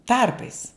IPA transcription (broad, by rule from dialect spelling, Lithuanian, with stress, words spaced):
ˈtɐrpɐɪs